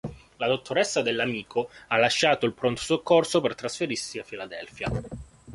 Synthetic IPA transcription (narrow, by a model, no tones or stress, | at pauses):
lad̪ot̪ːoɾɛsːad̪elːamiːkʰoalːaʃːaːt̪oilpɾont̪o̥sokːorsopert̪ɾasfeɾirsiafːilad̪ɛlfja